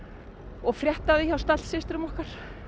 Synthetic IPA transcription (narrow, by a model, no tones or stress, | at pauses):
ɔɣfɾjɛht̪aðɪçawst̪at̪lsɪst̪ɾʏmɔhkaɾ̥